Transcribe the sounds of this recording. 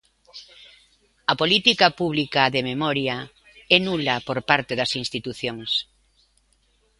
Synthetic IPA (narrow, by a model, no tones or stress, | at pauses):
ɐpolit̪ikɐpuβlikaðememɔɾja | ɛnulɐpoɾpaɾt̪eðɐsinst̪it̪uθjoŋs